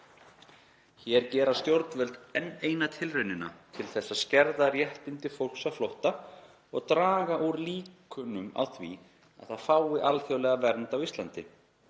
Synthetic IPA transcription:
çɛɾcɛːɾast̪jowɾt̪vœlt̪ɛnːeːjnat̪ʰɪlrʏnːɪna̰t̪ʰɪlθɛsːaðscɛɾðarjɛht̪ɪnt̪ɪfowl̥ksaflowht̪a | ɔɣt̪ɾaːɣaʔuɾliːkʏnʏma̰wθvḭ | a̰ðθaðfaːwɪʔalθjawlɛːɣavɛɾnt̪awist̪lant̪ɪ

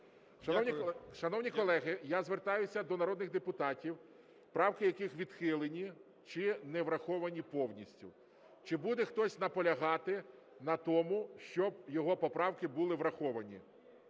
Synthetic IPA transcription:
ʃɐnɔwnʲiʃɐnɔwnʲikɔlˠɛɦɪjazʋert̪ɑjʊsʲɐd̪ɔnɐɾɔd̪nɪɣd̪epʊt̪ɑtʲiw | pɾɑwkɪjɐkɪxʋʲid̪xɪlˠenʲi | t͡ʃɪnɛʋɾɐxɔʋɐnʲipɔwnʲisʲtʲʊ̰ | t͡ʃɪbud̪ɛxt̪ɔsʲnɐpɔlʲɐɦɑt̪ɪ | nɐt̪ɔmʊʃt͡ʃɔb̚jɔɦɔpɔpɾɑwkɪbulˠɪʋɾɐxɔʋɐnʲḭ

